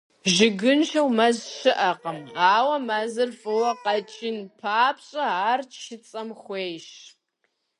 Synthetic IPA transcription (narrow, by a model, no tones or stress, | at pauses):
ʒɪɡɨnʃɐwmɐzʃɨʔɐqɐmaːwɐmɐzɨrfɨwɐqɐt͡ʃʼɪnpʰaːpɕʼɐaːrt͡ʃʰʃɪt͡sʼɐmχʷeːjʃ